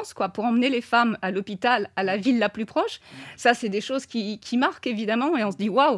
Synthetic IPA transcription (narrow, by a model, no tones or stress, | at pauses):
skwapuʁɑ̃mnelefamalɔpit̪alalavilːaplypχɔʃsasɛd̪eʃozkʲikʲʰimaʁkevid̪amɑ̃eɔ̃səd̪iwaw